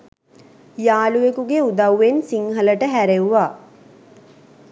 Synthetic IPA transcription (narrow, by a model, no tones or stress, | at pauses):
jaːluʋekuɡeud̪ɐwːensiŋɦələʈəɦæɾewuʋaː